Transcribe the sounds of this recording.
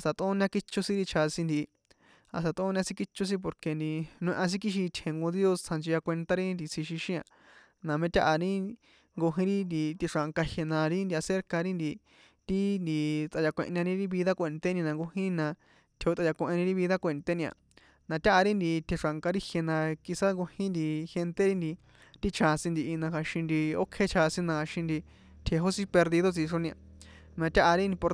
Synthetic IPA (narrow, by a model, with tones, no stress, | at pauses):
a˨st̪a˧t̪õ˦nã˧ki˦t͡ʃo˦˧sĩ˦ɾi˧t͡ʃʰa˧sĩ˧nd̪i˧˨˧ | a̰˨st̪a˧t̪õ˦nã˧sĩ˦ki˦t͡ʃo˦s̬ĩ˦p̬o˧ɾke˧nd̪i˧nũ˧˦˧ʔã˧s̬ĩ˦ki˦ʃ̬i˧t̪ʰẽ˨ŋɡo˧ði˦o˧st͡sʰã˧nd͡ʒi˧ja˧kʷe˧nt̪a˦ɾi˦nd̪i˧t͡sʰi˧ʃi˧ʃĩ˦ã̰˧ | nã˨˧mẽ˦˧t̪ʲa˦ʔa˧ɾĩ˦ | ŋɡo˧ɦĩ˧ɾi˦nd̪i˧t̪i˧ʂa˨ŋka˧hje˧nã˧ɾi˦ndi˧a˧se˧˦ɾka˧ɾi˦nd̪i˧ | t̪i˦nd̪i˧t͡s̪a˧ja˧kʷḛ̃˧ʔɲã˧nĩ˧ɾi˦βi˧ða˦kʷe˨˧˨nt̪e˦nĩ˧nã˧ŋɡo˧hĩ˦nã˧ | t̪ʰe˧o˧t͡s̪ʼa˧ja˧kũ˧ʔẽ˧nĩ˧ɾi˦βi˧ða˦kʷe˧nt̪e˦nĩ˧a̰˧˨ | nã˧t̪ʲa˦ʔa˧ɾi˦nd̪i˧t̪ʰe˧ʂa˨ŋka˧ɾi˦hje˧nã˧ki˧sa˦ŋɡo˧hĩ˦nd̪i˧he˧nt̪e˦ɾi˦nd̪i˧ | t̪i˦t͡ʃʰã˧sĩ˧nd̪i˧ʔi˧nã˧xa˧ʃĩ˧nd̪i˧o˦kʰe˦t͡ʃʰa˧sĩ˦nã˧ha˧ʃĩ˧nd̪i˧ | t̪ʰe˧ɦo˦sĩ˦pe˧ɾði˧ðo˦t͡si˧ʂo˧nĩ˧a˧ | nã˧t̪ʲa˦ʔa˧ɾi˦nĩ˧po˧